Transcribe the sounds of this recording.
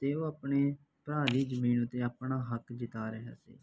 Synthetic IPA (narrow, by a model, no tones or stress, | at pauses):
t̪eːoːaːpɳeː | pɾaːɾiːd͡ʒəmiːnʊt̪ːeːaːpɳaːɦəkd͡ʒɪt̪aːɾəɦa̰ːsḛː